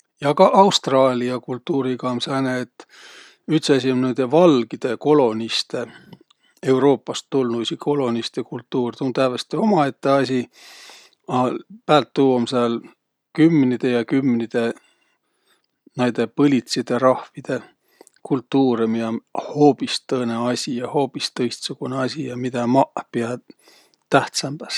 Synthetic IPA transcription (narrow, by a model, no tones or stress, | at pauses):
jɑkɑʔɑwst̪rɑːlʲiɑkult̪ːuːɾiɡɑmsɑjneːt̪ːˑ | yht̪sɑs̬ʲiomnejd̪̥e̞vɑlɡid̪̥e̞ko̞lo̞nist̪e̞ | e̞wɾo̞ːpːˑɑst̪ːulnusikʰo̞lo̞nist̪e̞kult̪ːuːrt̪unt̪ævest̪io̞mɑe̞t̪ːe̞ɑsʲi | ɑpæːlt̪ːuːwomsɑl | kymːnid̪̥e̞jɑkymːnid̪̥e̞ | nɑjd̪̥e̞pɤlʲit̪sid̪̥e̞ɾɑhvid̪̥e̞ | kult̪ːuːɾemijɑho̞ːpist̪ɤːne̞ɑsʲijɑho̞ːpist̪ɤjst̪suɡ̥uneɑsʲijɑmid̪̥æmɑʔpiɑ | t̪æht̪sɑmb̥æs